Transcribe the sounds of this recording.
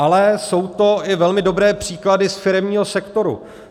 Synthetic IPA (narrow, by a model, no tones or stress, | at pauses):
ʔalɛso̞wt̪o̞ɪvɛlmɪdo̞bɾɛːpr̝̥iːkladɪsfɪɾɛmɲiːɦo̞sɛkt̪o̞ɾṵ